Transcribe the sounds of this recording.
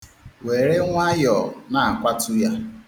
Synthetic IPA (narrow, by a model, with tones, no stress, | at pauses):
we˨ɾe˦ŋʷa˦jɔ˨na˨a˨kʷa˦tʊ˦ja˦